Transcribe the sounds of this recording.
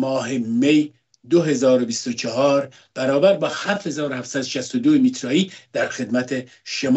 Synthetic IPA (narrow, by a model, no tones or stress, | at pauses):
mɒːɦemej | d̪oɦe̞zɒːɾo̞bist̪ot͡ʃʰɒhɒːɾ | b̥æɾɒːbæɾbɒːhæɾfhe̞zɒːɾohæfsæd̪oʃæst̪od̪oemit̪ʰɾɒːiːd̪̥æɾxe̞d̪mæt̪ʰe̞ | ʃemː